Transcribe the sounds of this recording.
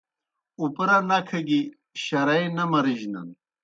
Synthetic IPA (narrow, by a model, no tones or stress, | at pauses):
upɾɐnɐkʰɐɡi | ɕɐɾɐjnɐmɐɾiʑnɐ̰n